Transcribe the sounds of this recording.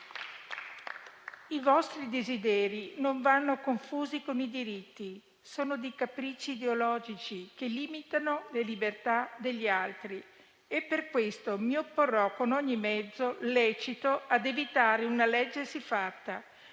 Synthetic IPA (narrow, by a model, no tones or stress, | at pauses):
ivɔst̪ɾid̪ezid̪ɛːɾinoɱvanːokoɱfuːzikonid̪iɾit̪ːi | soːnod̪ejkapɾit͡ʃːiːd̪eolɔːd͡ʒit͡ʃikeliːmit̪anolelibert̪ad̪eʎːialt̪ɾi | epːerkwest̪omiopːorːɔkonoɲːimɛd̪zːolɛːt͡ʃit̪oad̪evit̪aːɾeunalɛd͡ʒːesifat̪ːa